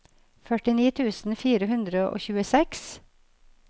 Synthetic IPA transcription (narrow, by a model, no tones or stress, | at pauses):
fœʈɪniːt̪ʰʉːsn̩fiːɾəɦʉnd̪ɾəʔo̰ːçʉːəsɛks